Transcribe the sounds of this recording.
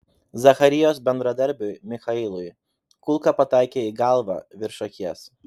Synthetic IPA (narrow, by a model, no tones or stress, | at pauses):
zɐxɐɾʲɪjoːsbʲɛnd̪ɾɐd̪ɐɾʲbʲʊɪmʲɪxɐɪlˠʊɪ | kʊlˠkɐpɐt̪ɑˑɪkʲeːiɡɑˑlˠʋɑ̰ʋʲɪɾʃɐkʲiɛs